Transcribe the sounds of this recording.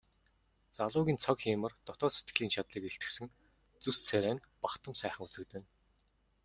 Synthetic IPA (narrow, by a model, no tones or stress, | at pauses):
t͡saɮʊːɣʲiːnt͡sʰɔkxiːmə̆rt̪ɔt̪ɔːset̪ɡɘ̆ɮiːnt͡ɕʰat̪ɮiːkeɬt̪ɘ̆ksɘ̆ŋ | t͡sust͡sʰæɾʲæːn | pakt̪ə̆msæːχə̆ŋut͡sɘ̆k̚t̪ɘ̆n